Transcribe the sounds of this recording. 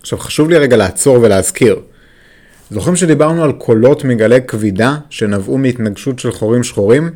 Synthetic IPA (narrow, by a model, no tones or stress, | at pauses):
aχʃavχḁʃuvliʁeɡalaːt͡so̞ʁveleazkʰiʁ | zoχimʃed̪ibaʁnualkʰo̞lo̞tmeɡale̞kvidaʃe̞navumeit̪naɡʃutʃe̞lχoʁimʃχoʁim